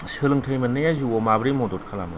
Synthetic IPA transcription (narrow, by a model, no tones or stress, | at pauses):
sɯlɯŋtʰəjmɐnːɯjazuɔmabɾimɔdɔt̚kʰalamɯ